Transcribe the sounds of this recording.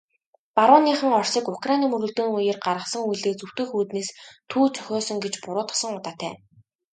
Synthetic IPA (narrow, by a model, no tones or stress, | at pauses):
paɾʊːniːχə̆ŋɔr̥siːkʊkrajniːmɵɾɵ̆ɮt̪eːŋujɘ̆rɢaɾʁə̆χsə̆ŋujɮeːt͡suw̥t̪ɵ̆xuːt̪neːst̪ʰuːt͡sʰœ̥xʲɔːsɞ̆ŋɡet͡ɕpʊɾʊːt̪ʰɔ̥sə̆ŋʊt̪aːt̪ʰæ̰ː